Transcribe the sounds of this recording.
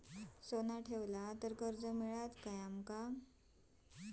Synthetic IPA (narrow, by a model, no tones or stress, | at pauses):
sonaʈʰeʋlat̪əɾkəɾd͡zəmiɭat̪kajamka